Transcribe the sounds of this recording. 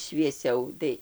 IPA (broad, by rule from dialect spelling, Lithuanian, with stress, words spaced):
ʃʲʋʲiɛˈsʲɛʊ ˈtɐɪ